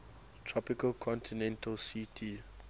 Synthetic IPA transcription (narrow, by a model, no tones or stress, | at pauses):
tʰɹɔpɪkəlkʰɔ̃ntʰinɛ̃ntʰəlsitʰi